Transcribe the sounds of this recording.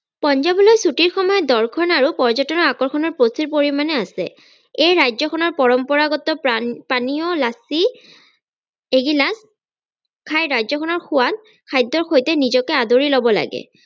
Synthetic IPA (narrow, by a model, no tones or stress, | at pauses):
pɔnzabɔlojsutiɹxɔmɔjɔdɔɹkʰɔnaɹupɔɹzɔtɔnɔakɔɹkʰɔnɔɹpɹosiɹpoɹimanɛasɛ̰ | ejɹajzɔkʰɔnɔɹpɔɹɔmpɔɹaɡɔtɔppaniɔlasi | eɡilas | kʰajɹajzɔkʰɔnɔɹxʰʊwat | kʰajdːɔɹxʰojtɛnizɔkɛadoɹilɔbɔla̰ɡɛ̰